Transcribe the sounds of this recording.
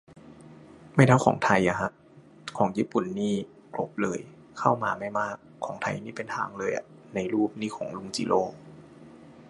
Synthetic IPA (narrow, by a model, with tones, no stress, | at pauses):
ma˥˩t̪ʰa˥˩wxʰɔ̰ː˩˦ŋt̪ʰa˧jʔa˨˩kʰa˧˥ʔ | kʰɔː˩˦ŋjiː˥˩pu˨˩nːiː˥˩ | klo̰˨˦p̚lɤː˧j | kʰa˥˩wmaː˧ma˥˩jmaː˥˩kʰːɔː˩˦ŋt̪ʰa̰˧jniː˥˩pe˧nt̪ʰa̰ː˧ŋlɤː˧jʔa̰˨˩na˧jɾuː˥˩p̚niː˥˩kʰɔ̰ː˩˦ŋlu˧˥˩ŋt͡ɕiː˧˨˦lʔoː˧˩